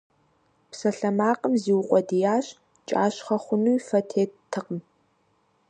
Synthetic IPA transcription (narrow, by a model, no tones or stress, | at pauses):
psɐɬɐmaːqʼəmziːwʊqʷʼɔdijaːɕ | t͡ʃʼa̰ːɕχɐχʷʊnuːfɐtʰeːttʰːɨqʼm